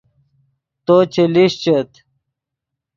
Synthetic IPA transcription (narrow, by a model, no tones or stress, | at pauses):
t̪ot͡ɕeliɕt͡ɕet̪